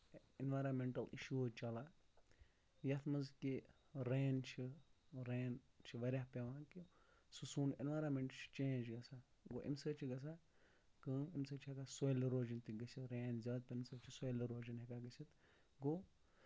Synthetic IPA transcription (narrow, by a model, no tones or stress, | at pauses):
inʋaːɾaːnmeɳʈɐlḭʃuːt͡ʃɐla | jɐt̪ʰmɐzki | ɾeːnt͡ʃʰiɾeːn | t͡ʃʰiʋɐɾʲahpʲɐʋãːki | susuːnenʋaːjɾaːnmeɳʈt͡ʃʰi̥t͡ʃẽːnd͡ʒɡɐsaɡoːʔḭmsəːt͡ʃʰiɡɐs̬aː | kəːmimsət͡ʃʰiɦekasoːjliɾoːd͡ʒint̪iɡɐsʰit̪ɾeːnzʲɐːd̪̚pʲɐnsəːt͡ʃʰisojliɾoːd͡ʒɐnɦekaɡɐsʰit̪ | ɡo